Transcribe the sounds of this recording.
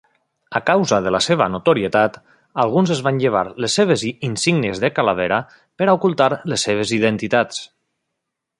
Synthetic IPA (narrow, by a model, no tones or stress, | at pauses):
akawzaðəlaseβ̞anot̪oɾiet̪at̪ | alˠɣunzezβanʎeβ̞a̰ɾlesːeβ̞ezinsiɡnezðekalaβ̞eɾa | peɾaukulˠt̪aɾlesːeβ̞eziðent̪it̪at͡s